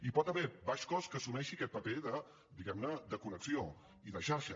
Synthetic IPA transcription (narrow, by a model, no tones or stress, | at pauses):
ipɔt̪əβɛbaʃkɔskəsumɛʃiəkɛt̪̚pəpeðə | d̪iɣɛmnəd̪əkunəksio | iðəʃaɾʃə